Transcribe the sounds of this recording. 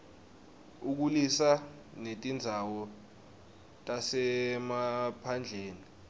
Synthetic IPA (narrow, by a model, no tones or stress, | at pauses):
uk̬ulisa | netʼind͡zʱawɔ | tʼasɛmapʰand͡ɮʱeːni